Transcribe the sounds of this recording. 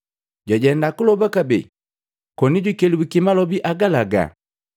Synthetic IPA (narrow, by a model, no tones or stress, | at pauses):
ɟaɟɛndakulɔbakabɛ̰ | kɔniɟwikɛliwikimalɔbiʔaɡalaɡa̰